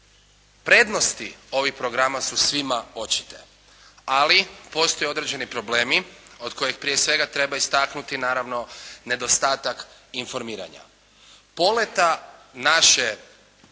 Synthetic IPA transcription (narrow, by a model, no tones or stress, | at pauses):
pɾe̞ːd̪no̞st̪io̞ʋixpɾo̞ɡɾamasusʋimao̞t͡ʃi̥t̪e̞ | alipo̞st̪ojeo̞d̪ɾe̞d͡ʑe̞nipɾo̞ble̞ːmio̞d̪ko̞jexpɾije̞sʋe̞ɡat̪ɾe̞baist̪aknut̪inaːɾaʋno̞ne̞d̪o̞st̪aːt̪ak | info̞ɾmiːɾa̰ɲa̰ | po̞le̞t̪anaʃe̞